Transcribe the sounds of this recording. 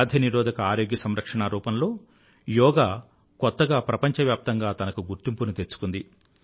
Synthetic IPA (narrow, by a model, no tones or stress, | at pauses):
d̪ʱiniɾɔːd̪ɐkɐaːɾoːɡjɐsɐmɾɐkʂɐɳaːɾuːpɐnlo̞ː | jɔːɡaː | kɔt̪ːɐɡaːpɾɐpɐɲt͡ʃɐʋjaːp̚t̪ɐŋɡaːt̪ɐnɐkuɡuɾt̪impunut̪eɾt͡ʃːu̥kund̪i